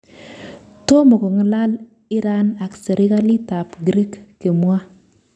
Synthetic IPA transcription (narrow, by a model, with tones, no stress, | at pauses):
to˦mo˨ko˨ŋɪ˦la˦l | ɪ˦ɾa˦na˨kse˨ɾʔɪ˦ka˦li˦ta˨pɡɾi˦kːe˨mwa˦